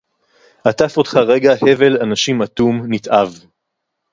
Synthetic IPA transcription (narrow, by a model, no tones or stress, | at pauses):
ʔatafo̞t̪χaʁe̞ɡahe̞ve̞lanaʃimatumnitʔav